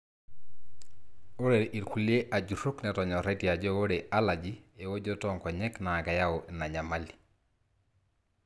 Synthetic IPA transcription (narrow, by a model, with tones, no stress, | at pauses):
o˦ɾe˨ɾʔi˨ɾku˨lje˦ʔa˨d͡ʒu˨ɾu˦knɛtɔɲɔ˨ɾɛtia˨d͡ʒɔwo˦ɾeʔalad͡ʒie˨wo˦d͡ʒɔtɔŋkɔ˨ɲɛ˦kna˨ka˨ja˦ona˨ɲa˨mali